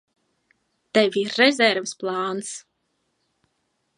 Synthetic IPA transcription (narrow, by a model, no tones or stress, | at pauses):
t̪ɛvʲiɾːɛzʲɛɾvɨsplˠɑːns